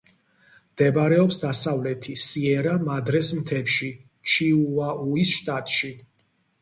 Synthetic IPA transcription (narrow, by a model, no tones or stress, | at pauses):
md̪̥ɛbɾɛɔpsd̪asavlɛt̪ʰisiɛɾamad̪ɾɛsmt̪ʰɛpʃi | t͡ʃʰiuaʔuisʃt̪ʼat̪ʼʃi